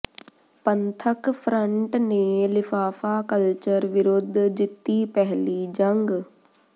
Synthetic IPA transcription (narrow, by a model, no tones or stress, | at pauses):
pənt̪ʰəkpʰɾəɳʈneːlɪfʰaːfaːkəlt͡ʃəɾʋɪɾʊd̪ʱd͡ʒɪt̪ːiːpɛɦliːd͡ʒəŋɡ